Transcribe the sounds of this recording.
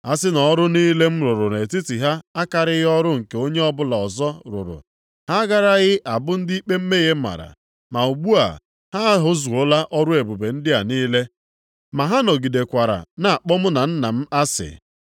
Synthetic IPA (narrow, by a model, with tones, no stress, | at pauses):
a˦sɪ˦nɔ˨˦ɾʊ˦niː˦le˦m̩˦ɾʊ˨ɾʊ˨ne˨ti˦ti˨ɦa˦a˦ka˨ɾɪ˦ɣɪ˦ɔ˦ɾʊ˦ŋ̩˨ke˨o˦ɲe˦ɔ˦bʊ˦la˨ɔ˨zɔ˦ɾʊ̰˨ɾʊ̰˨ | ha˦ɡa˦ɾa˦ɣɪ˦ʔa˨bʊ˦n̩˦dɪ˦i˦k͡pe˦m̩˦me˦ɣe˦m̩˦ma̰˨ɾa̰˨ | ma˨u˨ɡ͡bu˦a̰˨ | ha˦ɦʊ˦zu˨o˦la˦ʔɔ˦ɾʊ˦e˨bu˨be˨n̩˦dɪ˦a̰˨niː˦le˦ | ma˨ɦa˦no˨ɡi˨de˨kʷa˨ɾa̰˨na˨a˨k͡pɔ˦mʊ˦na˨n̩˦na˨m̩˦a˦sɪ̰˨